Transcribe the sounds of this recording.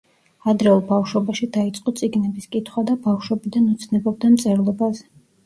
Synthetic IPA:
ad̪ɾɛulˠbafʃwɔbaʃid̪ait̪sʼqʼɔt̪sʼiɡnɛbiskʼit̪ʰχwad̪abafʃwɔbid̪anut̪sʰnɛbɔb̚d̪amt̪sʼɛɾlˠɔbazɛ

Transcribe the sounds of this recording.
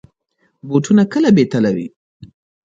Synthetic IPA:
boʈʰunakəlabet̪alawḭ

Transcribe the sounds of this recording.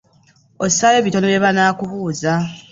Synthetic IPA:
osajeːβitonoβjeβanaːkuβuːza

